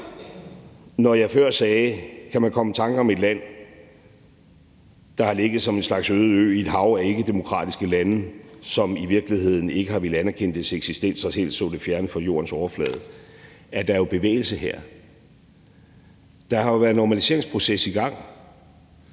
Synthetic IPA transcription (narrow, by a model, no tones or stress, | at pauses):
nɒjɑ̈fɶɐ̰sɛːkʰæmænkʰɒ̽mət͡sʰɑ̈ŋɡ̥ɒ̽me̝d̥læn̰ | d̥ɑ̈hɑ̈le̝ɡ̥ð̞̩ˠsɒ̽me̝nslɑ̈ɡ̥søːð̞̩ˠø̰ːid̥ɦɑ̈ʊæɐe̝ɡ̥əd̥e̝mo̝kʰʁɑ̰̈ːd̥isɡ̥əlænəsɒ̽miʋiɐɡ̥lihe̝ð̰ˠn̩e̝ɡ̥əhɑ̈ʋe̝ləænæɐkʰen̰d̥eseɡ̥sisd̥el̰d̥sɑ̈sel̰ssɔ̰defjæɐnəfɒ̽jo̝̰ːɐn̩sɒʊɐflɛ̰ːð̞̩ˠæɐd̥ɑjo̝b̥e̝ʋḛːɪl̩səɦeɐ̰ | d̥ɑ̈hɑ̈jo̝ʋæɐð̩ˠnɒmælise̝ɐ̰e̝ŋspʰʁo̝sesiɡ̥ɑ̈ŋ̰